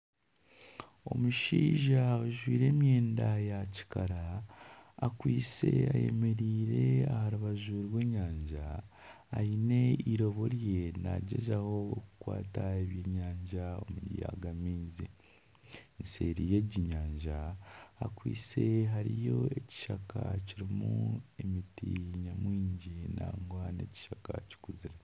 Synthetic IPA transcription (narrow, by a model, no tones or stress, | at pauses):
o̞muʃiːʒaoʒwiːɾe̞ːmjeːndajaci̥kaɾaː | kwiːse̞̰a̰je̞̰me̞ɾiːɾe̞ahaɾuβaʒuɾwe̞ːɲaːɲʒa̰ː | ine̞iɾo̞βo̞ɾje̞na̰ɟe̞̰ʒaho̞ːkukwa̰ːtaeβjeɲaːɲʒaomuja̰ɡamiːnzi | nse̞ɾije̞ɟiɲaːɲʒaakwiːt͡se̞ɦaɾijo̞e̞ci̥ʃakʰaciɾimuemitiɲamwiːɲɟinaːŋɡwane̞̰ːci̥ʃaka̰ci̥kuziɾa